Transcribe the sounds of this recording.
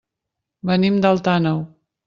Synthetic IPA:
bənimd̪əlˠt̪anəw

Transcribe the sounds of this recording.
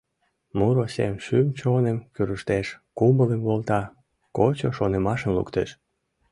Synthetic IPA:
muɾosḛmʃymt͡ɕonemkyɾəʃt̪eʃkumbələmβolt̪ɑ | kot͡ɕoʃonemɑʃəmlṵkt̪eʃ

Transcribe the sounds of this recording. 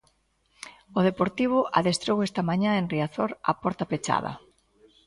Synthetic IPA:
oð̞epoɾt̪iβ̞ʊʔa̰ðest̪ɾowest̪ɐmaɲãenriaθoɾa̰pɔɾt̪ɐpet͡ʃa̰ðɐ̰

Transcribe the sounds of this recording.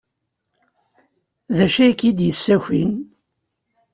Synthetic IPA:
ðæʃækːid̪jəsːæçḭn

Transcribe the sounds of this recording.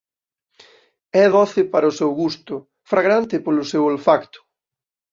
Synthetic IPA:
ɛðɔθɪpaɾɐʊsewɣust̪ʊ | fɾaɣɾant̪ɪpolʊsewelfakt̪ʊ̥

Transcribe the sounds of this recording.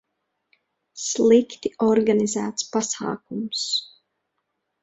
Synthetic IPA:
slˠikt̪iɔɾɡanizæːt̪spasa̰ːkums

